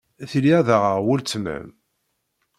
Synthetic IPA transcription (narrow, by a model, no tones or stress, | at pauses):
θliæðaʁəʁwʊlt͡sːmæ̰m